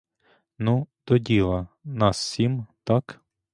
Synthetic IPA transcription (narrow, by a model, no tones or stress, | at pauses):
nud̪ɔdʲilˠɐnɑssʲimt̪ɑk